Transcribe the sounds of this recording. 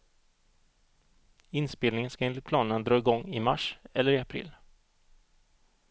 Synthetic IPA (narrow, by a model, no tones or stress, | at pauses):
ɪnspeːlnɪŋənskaɪnlɪpʰlɑːnənad̪ɾɑːɪɡɔŋːɪma̰ʂɛlːəɾɪapʰɾɪ̰ːlː